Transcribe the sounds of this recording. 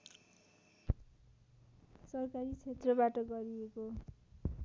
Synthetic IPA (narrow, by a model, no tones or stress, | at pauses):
sʌrkaɾit͡sʰet̪rʌbaʈʌɡʌɾieko